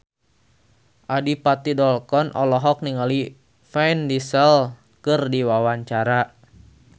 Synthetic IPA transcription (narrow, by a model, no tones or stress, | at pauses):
ʔadipat̪idɔlkɔnʔɔ̰lɔɦɔk̚niŋali | fɛjndisɛl | kɨrdiwawaɲt͡ʃaɾa